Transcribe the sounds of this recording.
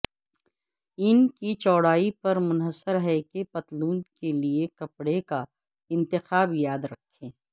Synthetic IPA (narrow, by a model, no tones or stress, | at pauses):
ɪnkit͡ʃɔːɽaːipɐɾmʊnɦəsəɾɦɛkepɐt̪luːnkeliekɐpɽeka | ɪ̃nt̪ɪxaːbjaːd̪ɾɐkʰːẽː